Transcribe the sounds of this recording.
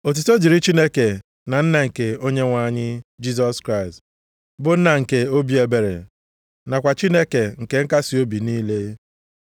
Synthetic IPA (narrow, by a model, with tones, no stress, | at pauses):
o˨t̬u˨to˦d͡ʒi˨ɾi˦t͡ʃi˦ne˦ke˨ | na˨n̩˦na˨ŋ̩˨ke˨o˦ɲe˦ŋʷa˨˦˨ɲɪ˦d͡ʒi˦zɔ˦skɾa˦˨ɪ˨st | bʊ˨n̩˦na˨ŋ̩˨ke˨o˦bi˦e˨be˨ɾḛ˨ | na˨kʷa˨t͡ʃi˦ne˦ke˨ŋ̩˨ke˨ŋ̩˦ka˦si˨o˦bi˨niː˦le˦